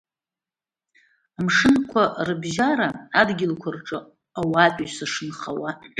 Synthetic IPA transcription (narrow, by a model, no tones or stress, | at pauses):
amʂɨnkʷʰarɨbʒaɾaːdɡʲɪlkʷʰarʈ͡ʂʼɨ | awatʼisaʂɨnχawa